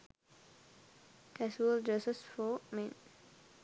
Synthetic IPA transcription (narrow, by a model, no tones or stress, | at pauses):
kʰɛswəld͡ʒəsəsfɔmɛ̃n